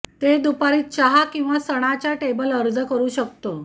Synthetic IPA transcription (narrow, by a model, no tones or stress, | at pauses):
t̪ed̪upaɾiːt̪̚t͡ɕaɦakĩw̃ʋasəɽ̃at͡ɕjaʈebələɾd͡zəkəɾuːɕək̚t̪o